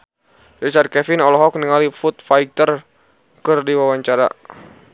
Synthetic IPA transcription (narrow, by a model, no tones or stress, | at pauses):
rit͡ʃard̪̚kɛfɪnɔlɔɦɔk̚niŋalifut̪̚fait̪ər | kɨrdiwawaɲt͡ʃaɾa̰